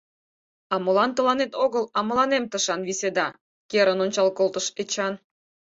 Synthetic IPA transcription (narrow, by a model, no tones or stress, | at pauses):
ɑmɤlɑnt̪əlɑnet̪oɣəlɑmə̆lɑnemt̪əʃɑnβised̪ɑ | keɾənonʲt͡ɕɑlkolt̪əʃet͡ɕɑn